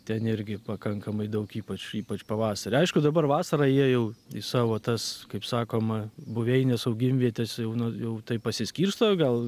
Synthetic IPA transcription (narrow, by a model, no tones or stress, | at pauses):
t̪ʲɛnɪɾʲɡʲɪpɐkɐŋkɐmɐɪd̪ɐʊkiːpɐt͡ʃiːpɐt͡ʃpɐʋɑːsɐɾʲɪɐɪʃkʊd̪ɐbɐrʋɑːsɐɾɐːjiɛjɛʊisɑːʋoːt̪ɐskɐɪpsɑːkoːmɐbʊʋʲɛɪnʲɛsɐʊɡʲɪmʲʋʲiɛt̪ʲɛsjɛʊnʊjɛʊt̪ɐɪpɐsʲɪsʲkʲiːrst̪oːɡɐlˠ